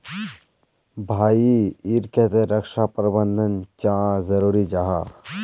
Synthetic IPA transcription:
bʱaːiiɾket̪eɾɐkʃapɾbənd̪ʱənt͡ʃãːzɐɾuːɾid͡ʒaɦaː

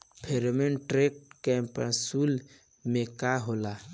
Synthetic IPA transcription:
pʰeɾmenʈɾek̚ʈkɛ̃mpɾã̰suːl | mẽkaɦola

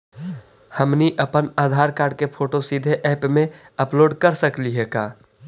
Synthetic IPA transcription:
həmniʔəpənaːd̪ʱaːɾkaːɾɖ̚kepʰoːʈosid̪ʱeʔɛːpmẽ | əploːɖkəɾsəkliɦeːkaː

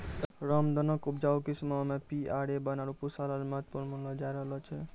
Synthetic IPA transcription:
ɾʌmd̪ʌnʌkup̚d͡ʒawkismɔmepiaɽebʌnaɾupusalalmʌɦt̪̚puɾnmʌlʌd͡ʒajɾʌɦlɔt͡ʃʰe

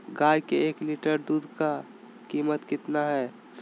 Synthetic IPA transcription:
ɡaːjkeeːkliːʈəɾd̪uːd̪ʱka | kiːmət̪kɪt̪naɦɛː

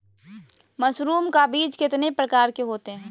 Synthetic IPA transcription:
məsɾuːmkabiːd͡ʒkɪt̪nepɾəkaːɾkeɦoːt̪eɦɛ̃ː

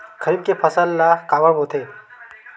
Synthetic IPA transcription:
kʰəɾiːb̚kepʰəsəlːakaːʋəɾbʱot̪ʰe

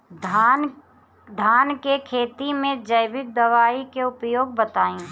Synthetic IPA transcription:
d̪n | d̪ʱaːnkekʰeːt̪imẽd͡ʒəɪbɪk̚d̪əʋaːikeʊpjoːɡ̚bət̪aːĩː

